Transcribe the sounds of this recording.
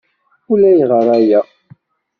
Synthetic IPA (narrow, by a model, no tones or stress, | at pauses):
ulæjʁəɾˤæjæ